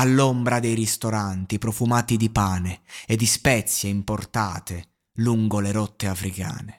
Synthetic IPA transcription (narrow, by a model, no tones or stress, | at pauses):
alːombɾad̪ejrist̪oɾant̪ipɾɔfumaːt̪id̪ipaːneed̪ːispɛt̪sjeimport̪aːt̪e | luŋɡoleɾɔt̪ːeafɾika̰ːne